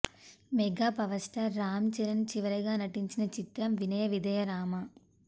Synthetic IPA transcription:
mɛɡaːpɐʋɐsʈɐɾːaːmt͡ʃɛɾɐnt͡ʃiʋɐɾɐɡaːnɐʈiɲt͡ʃinɐt͡ʃit̪ɾɐmʋinɐjɐʋid̪ɐjɐɾaːmɐ

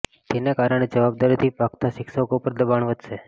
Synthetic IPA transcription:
t̪enekaɾəɽ̃ed͡ʒəʋab̚d̪aɾit̪ʰipakt̪aʃɪkʃəkopəɾd̪əbaɳʋəd̪ʱʃe

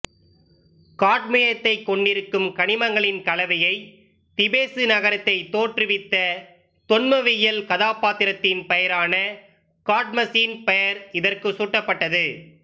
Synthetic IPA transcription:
kaːʈmɐjɐt̪ːɐɪkːɔɳɖɪɾɯkːɯmkɐɳɪmɐŋɡɐɭɪnkɐlɐʋɐjɐɪ | t̪ɪbeːsɯnɐɣɐɾɐt̪ːɐɪt̪oːʈrɯʋɪt̪ːɐ | t̪ɔnmɐʋɪjɐlkɐðaːpaːt̪ɪɾɐt̪ːɪnpɛjɐɾaːnɐ | kaːʈ̚mɐsiːnpɛjɐɾɪðɐrkɯsuːʈːɐpːɐʈːɐðɯ

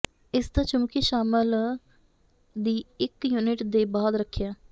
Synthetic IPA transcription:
ɪsd̪aːt͡ʃʊmkiːʃaːməl | d̪iːɪkjuːnɪʈd̪eːbaːd̪ɾəkʰːjaː

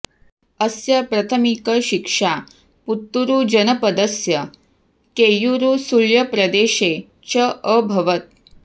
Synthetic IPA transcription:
əsjɐpɾɐt̪ʰəmikəʃikʂa | put̪ːuɾud͡ʑɐnəpɐd̪əsjɐ | kejuɾusuljɐpɾɐd̪eːʃe | t͡ʃəəbʱɐʋət̪̚

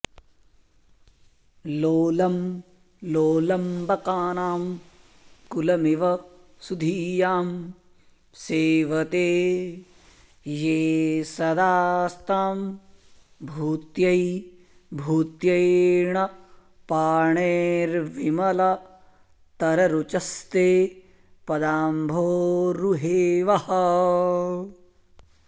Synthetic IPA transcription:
loːlɐm | loːlɐmbɐkaːnaːm | kulɐmiʋɐ | sud̪ʱiːjaːm | seːʋɐt̪eː | jeːsɐd̪aːst̪aːm | bʱuːt̪jɐj | bʱuːt̪jɐjɳɐ | paːɳeːɾʋimɐlɐ | t̪ɐɾɐɾut͡ʃɐst̪eː | pɐd̪aːmbʱoːɾuɦeːʋɐhɐ

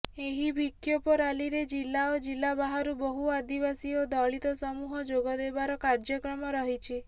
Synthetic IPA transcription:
eɦibʱikʰːjɔpɔɾaliɾed͡ʒilːaod͡ʒilːabaɦaɾubɔɦuad̪ibasiod̪ɔɭit̪ɔsɔmuɦɔd͡ʒoɡɔd̪ebaɾɔkaɾd͡ʒɔkɾɔmɔɾɔɦit͡ʃʰi

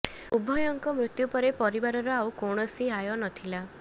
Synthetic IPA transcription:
ubʱɔjɔŋkɔmɾut̪jupɔɾepɔɾibaɾɔɾɔawkoɳ̃ɔsiɦajɔnɔt̪ʰila

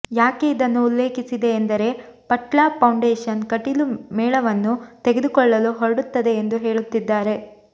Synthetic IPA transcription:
jaːke̞id̪ɐnːuːlːe̞ːkisid̪e̞ːnd̪ɐɾe̞pɐʈɭaːpɐwɳɖeːʂɐnkɐʈilumɛːɭɐʋɐnːut̪eɡed̪ukɔɭːɐluɦoɾɐɽut̪ːɐd̪e̞ːnd̪uɦe̞ːɭut̪ːid̪ːaːɾe̞

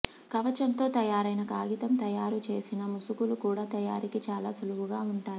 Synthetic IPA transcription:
kɐʋɐt͡ʃɐnt̪o̞ːt̪ɐjaːɾɐjnɐkaːɡit̪ɐmt̪ɐjaːɾut͡ʃe̞ːsinɐmusukulukuːɽaːt̪ɐjaːɾikit͡ʃaːlaːsuluʋuɡaːuɳʈaːɾii

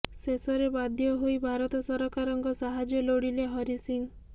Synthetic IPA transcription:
sesɔɾebad̪ʱjɔɦujbʱaɾɔt̪ɔsɔɾɔkaɾɔŋkɔsaɦad͡ʒjɔloɽileɦɔɾisiŋ

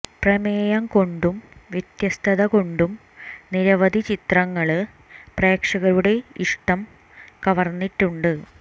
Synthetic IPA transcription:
prɐmeːjɐŋko̞ɳɖumʋjet̪jɐst̪ʰɐðɐko̞ɳɖum | niɾɐʋɐd̪ʱit͡ɕit̪rɐŋːɐɭɨ | pre̞ːkʂɐɣɐɾuɽe̞iʂʈɐm | kɐʋɐrnːiʈːuɳɖɨ

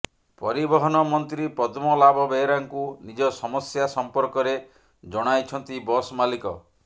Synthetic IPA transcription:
pɔɾibɔɦɔnɔmɔnt̪ɾipɔd̪mɔlabɔbejɾaŋkunid͡ʒɔsɔmɔsjasɔmpɔɾkɔɾe | d͡ʒɔɽ̃ajt͡ʃʰɔnt̪ibɔsmalikɔ

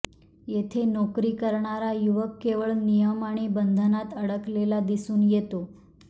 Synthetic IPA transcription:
jet̪ʰenɔkɾiːkəɾɳaɾajuʋəkːeʋəɭnijəmaɽ̃ibənd̪ʱənat̪əɽəklelad̪isuːnjet̪o

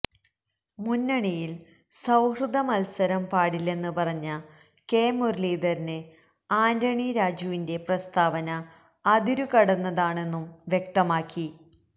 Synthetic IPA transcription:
munːɐɳijil | sɐwhrɨd̪ʱɐmɐlsɐɾɐmpaːɽilːe̞nːɨpɐrɐɲːɐ | ke̞ːmurliːd̪ɐɾinɨ | aːndɐɳiɾaːd͡ʑuʋinde̞prɐst̪aːʋɐnɐː | d̪iɾukɐɽɐnːɐðaːɳe̞nːumʋjek̚t̪ɐmaːkːi

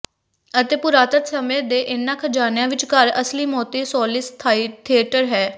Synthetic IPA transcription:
ət̪eːpʊɾaːt̪ət̪səmẽːd̪eːʔɪnːãːkʰəd͡ʒaːnjãːʋɪt͡ʃkəɾəsliːmɔːt̪iːsɔːlɪst̪ʰat̪ʰiəʈəɾɦɛː

